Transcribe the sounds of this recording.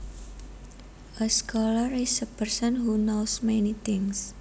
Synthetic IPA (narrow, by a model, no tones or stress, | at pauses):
ʔəskɔlarisəpərsənɦunowsmɛnit̪ɪŋs